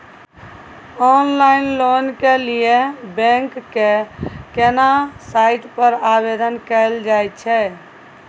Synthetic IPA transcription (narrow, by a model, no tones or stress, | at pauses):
ɔnlainlonkelijebɛ̃ŋkːekenasaiʈpəɾabed̪ənkɛld͡ʒajt̪t͡ʃʰɛ